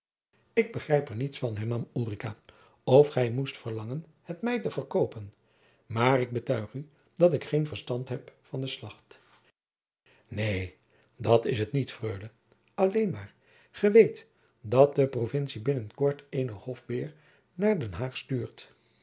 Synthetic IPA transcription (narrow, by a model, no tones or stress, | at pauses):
ɪɡ̚bəχrɛjpɛɹnitsfɑnɦɛɹnɑmuːrikaː | ɔfχɛjmustfəɹlɑŋən | hətmɛjtəvəɹkowpən | maːrɪɡ̚bətœɥχy | d̥ɑtɪkχejnvəɹstɑntɦɛpfɑndəslɑχt | nej | dɑtɪsɦətnitfrøɥlə | ɑlejnmaːɹ | χəʋejt | dɑt̚dəprovɪnsibɪnənkɔɹtejnəhɔfbɪːɹ | naːɹdɛnɦaːχstyːɹt